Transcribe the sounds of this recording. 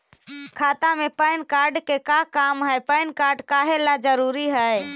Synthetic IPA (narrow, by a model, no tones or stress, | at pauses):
kʰaːt̪amẽpəɪnkaːɾɖkekakaːmɦəepəɪnkaːɾɖkaːɦelad͡ʒəɾuːɾiɦəe